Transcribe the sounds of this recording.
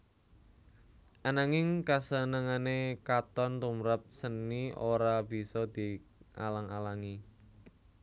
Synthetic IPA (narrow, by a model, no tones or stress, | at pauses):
ʔanaŋɪŋkasənəŋanekat̪ɔnt̪umɾap̚sənːiʔoɾab̥i̤sɔd̪̥i̤ʔa̰laŋalaŋi